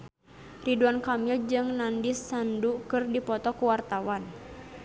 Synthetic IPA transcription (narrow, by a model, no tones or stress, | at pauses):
riduankamild͡ʒɨŋnandisːandukɨrdipɔt̪ɔkuwart̪awan